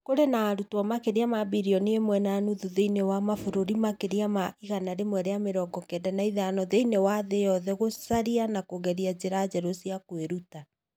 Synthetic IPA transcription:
koɾenaːɾutwɔmakeɾiamabiɾiɔniemwɛnanuðuðeinewamafoɾoɾimakeɾiamaiɣanaɾemwɛɾeameɾɔɡɔkɛdanaiðanɔðeinewaðejɔðɛɣosaɾianakoɣɛɾiad͡ʑeɾad͡ʑɛɾosiakweɾuta

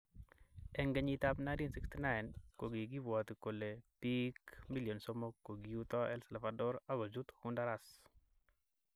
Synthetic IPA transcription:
ɛŋɡɛɲit̪apnandinsikstinajnkoɡiɡibwɔt̪kolepikmiljonsomokːoɡiut̪ɔɛlsɛlafadɔɾaɡɔd͡ʒut̪hʊndaɾas

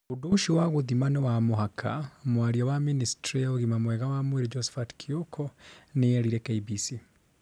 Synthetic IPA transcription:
uduʃiwaɣuðimanewamoɦakʰamwaɾiawaministɾioɣimamwɛɣawamwiɾid͡ʒɔsfatkʰiokʰɔnejeɾiɾekeibisi

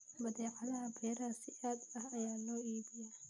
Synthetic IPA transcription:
mɐðɛːʕɑðɐɦɐbɛːɾasɪʔaːd̪ɐhɐjaːlɔːiːbɪja

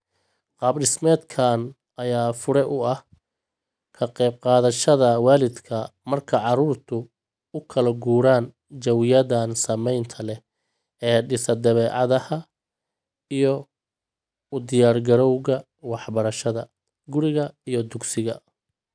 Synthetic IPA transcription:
qɑːbɖɪsmɛːd̪kʰaːn | ɐjaːfʊɾɛʔʊɐh | kʰɐqɛjb̚qɑːðɐʃɐðɐwaːlɪd̪kʰɐmɐrkʰɐʕɑɾuːrt̪ʰʊ | ʊkʰɐlɐɡuːɾaːn | t͡ʃɐwɪjɐðaːnsɐmɛjnt̪ʰɐlɛ | ɛːɖɪsɐd̪ɐβɛːʕɑðɐhɐ | ijɔ | ʊd̪ɪjaːrɡɐɾɔwɣɐ | wɑħbɐɾɐʃɐðɐ | ɡʊɾɪɣɐijɞd̪ʊɡsɪɣɐ̰

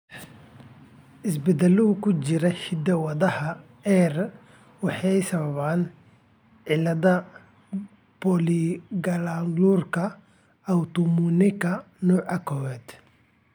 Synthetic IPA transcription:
ʔɪsbɛd̪ɛlʊɣʊkʰʊt͡ʃɪɾɐhɪd̪ɐwɐðɐhɐ | ɛr | wɑħɑjsɐβɐβaːn | ʕɪlɐðɐ | bɔliɡɐlaːŋluːrkʰɐ | ɐwt̪ʊmunɪkʰɐ | nuːʕɐkʰɔwɛːd̪

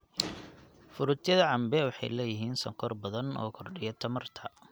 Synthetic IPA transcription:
fʊɾʊt̪ʰjɐðɐʕɑmbɛwɑħɑ̰jlɛːjɪɦiːnsɐŋkʰɔrbɐðɐnɔ̰ːkʰɔrɖɪjɐt̪ʰɐmɐrt̪ʰɐ

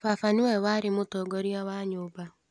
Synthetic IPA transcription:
fafaniwɛwaɾɪmotɔɡɔɾiawaɲoba

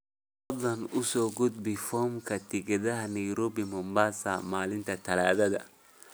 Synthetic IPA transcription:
fɐd̪lɐnʊsɔːɡʊd̪bɪfɔːmkʰɐt̪ʰɪɡɛðɐɦɐnɐjɾɔːbɪmɔmbaːsa̰maːlɪnt̪ʰɐt̪ʰɐlaːðɐðɐ̰

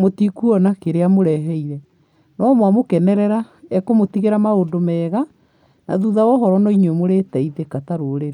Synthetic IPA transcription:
motikuɔnakeɾeamoɾɛɦɛiɾɛ | nɔmwamokɛnɛɾɛɾa | ɛkomotiɣeɾamaodomɛːɣa | na̰ðuðawɔɦɔɾɔnɔiɲwemoɾetaiðekataɾoɾeɾe

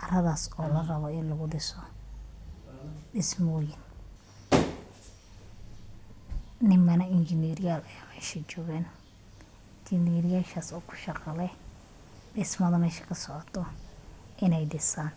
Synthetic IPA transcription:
ʔɐrɐðaːsɔːlɐrɐβɔɪnlɐɣʊɖɪsɔ | ɖɪsmɔːjɪn | nɪmɐnɐɪnt͡ʃɪnɛːɾɪjaːlɐjmɛːʃɐt͡ʃɔːɣaːn | t͡ʃɪniːɾɪjaːʃaːsɔːkʰʊ̥ʃɑqʼɑlɛ | ɗɪsmɐðɐmɛːʃɐ̥kʰɐsɔʕɔt̪ʰːɔ | ʔɪnɛjɖɪsaːn

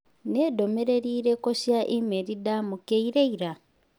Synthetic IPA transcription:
nedo̞meɾe̞ɾiːɾekosjaʔemeɾidamukeiɾeiɾa

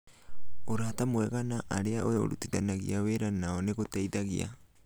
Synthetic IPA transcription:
oɾahatamoeɡanaʔaɾeaʔoeo̰ɾutidanaɡḭaweɾanaoneɡotejdaɡḭa̰

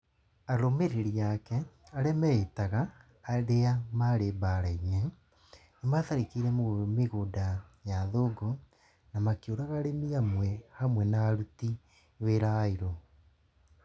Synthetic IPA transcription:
aɾomeɾeɾiakɛaɾɛmɛetaɣaː | ɾeamaɾebaɾaiɲɛ | nemaðaɾikiɾɛmomeɣodajaðoːɡo | namakioɾaɣaɾemiamwɛhamwɛnaːɾuti | weɾaiɾo

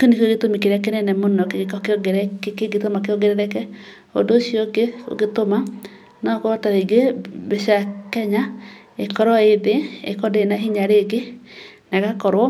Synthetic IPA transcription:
konikɡetomikeɾakenɛnɛmonɔkekɔkeoɡeɾɛkkeɡetomakeoɡeɾɛðɛkɛ | o̰doʃiɔkeo̰ɡetoma | nɔkotaβeɡeβeʃakɛɲa | ekɔɾɔeðeḛkɔdenaɦiɲaɾeɡe | naɣakɔɾwɔ

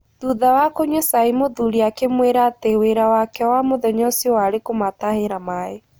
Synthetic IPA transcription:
ðuðawakoɲosaimoðuɾiakemweɾateweɾawakɛwamoðɛɲɔsiɔwaɾekomataheɾamae

